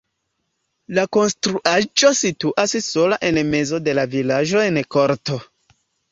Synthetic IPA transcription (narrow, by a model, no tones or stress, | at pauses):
lako̞nstɾuʔad͡ʒo̞situʔasso̞laʔe̞nme̞zo̞de̞lavilaʒo̞e̞nko̞ɾto̞